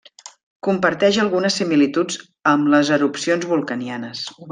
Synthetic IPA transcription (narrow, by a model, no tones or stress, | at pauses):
kumpəɾt̪ɛʒəlˠɣunəsːimilit̪ud͡z | əmləzəɾupsionzβulˠkənianəs